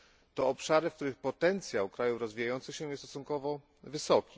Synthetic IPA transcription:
t̪ɔɔpʂaɾɘfk̚t̪uɾɘxpɔt̪ɛnt̪sʲjawkɾajufɾɔzvʲijajɔnt̪sɘxɕɛ̃jɛst̪ɔsunkɔvɔ | vɘsɔkʲi̥

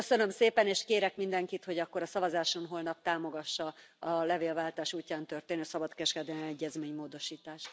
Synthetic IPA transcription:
øsø̞nø̞mseːpɛneːʃkeːɾɛkmind̪ɛŋkit̪ho̞ɟɒkːoɾɒsɒvɒzaːʃo̞nɦo̞ːlnɒp̚t̪aːmo̞ɡɒʃːɒɒlɛveːlvaːlt̪aːʃuːcːaːnt̪ø̞rt̪eːnøsɒbɒt̪kɛʃkɛd̪ɛlɛmɛɟːɛzmeːɲmoːd̪o̞ʃiːt̪aːʃt̪

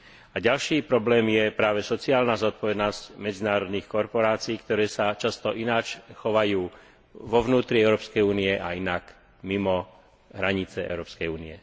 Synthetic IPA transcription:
aɟalʃiːpɾɔblɛːmjɛpɾaːʋɛsɔt͡siaːlnazɔt̪̚pɔʋɛd̪nɔscmɛd͡zinaːɾɔd̪niːxkɔɾpɔɾaːt͡siiːkt̪ɔɾɛːsat͡ʃast̪ɔʔinaːt͡ʃxɔʋajuː | ʋɔʋnuːt̪ɾiɛʊɾɔːpskɛjuːniɛʔa̰inak | mimɔ | ɦɾaɲit͡sɛɛ̰ʊɾɔːpskɛjuːniɛ

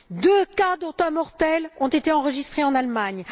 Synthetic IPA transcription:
d̪økad̪ɔ̃t̪ɛ̃mɔʁt̪ɛlɔ̃t̪et̪eɑ̃ʁəʒist̪χeɑ̃nalmaɲ

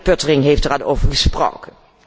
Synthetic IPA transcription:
pøtərɪŋɦeftərano̰wvəɹχəspro̰ːkən

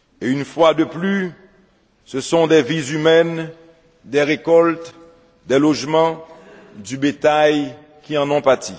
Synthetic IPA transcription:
eynfwad̪əply | səsɔ̃d̪ɛvizymɛn | d̪ɛʁekɔlt̪ | d̪ɛlɔʒmɑ̃ | d̪ybet̪aj | kʲiɑ̃nɔ̃paʁt̪i

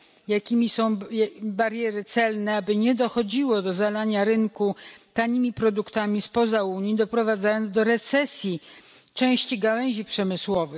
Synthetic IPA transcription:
jakʲimʲisɔ̃w̃baɾjɛɾɘt̪sɛlnɛabɘɲɛd̪ɔxɔd͡ʑiwɔd̪ɔzalaɲaɾɘŋkut̪aɲimʲipɾɔd̪ukt̪amʲispɔzauɲid̪ɔpɾɔvad̪zajɔnzd̪ɔɾɛt̪sɛsʲji | t͡ʂɛ̃w̃ɕt͡ɕiɡawɛɲ̃ʑipʂɛmɘswɔvɘ

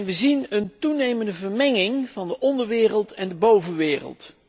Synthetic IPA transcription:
nʋəzinəntunejməndəvəɹmɛŋɪŋv̥ɑndəʔɔndəɹʋɪːrəlˠtɛndəbowvənʋɪːrə̰lˠt

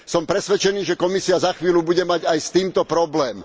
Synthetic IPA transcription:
sɔmpɾɛsʋɛt͡ʃɛniːʒɛkɔmisiazaxʋiːlʲubuɟɛmaɟajst̪iːmt̪ɔpɾɔblɛːm

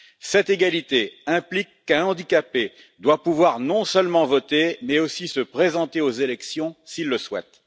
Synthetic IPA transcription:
sɛt̪eɡalit̪eɛ̃plikːɛ̃ɑ̃d̪ikape | d̪wapuvwaʁnɔ̃sœlmɑ̃vɔt̪emɛosisəpχezɑ̃t̪eozelɛksjɔ̃silːəswɛ̰t̪

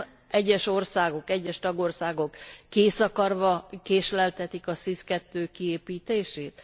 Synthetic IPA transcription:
ɛɟːɛʃo̞rsaːɡo̞kɛɟːɛʃt̪ɒɡo̞rsaːɡo̞kːeːsɒkɒrʋɒkeːʃlɛlt̪ɛt̪ikɒsiskɛt̪ːøːkieːpiːt̪eːʃeːt̪

